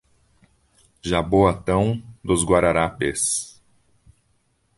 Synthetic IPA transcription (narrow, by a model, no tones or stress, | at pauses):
ʒaboat̪ɐ̃w̃d̪ʊzɡwaɾaɾapes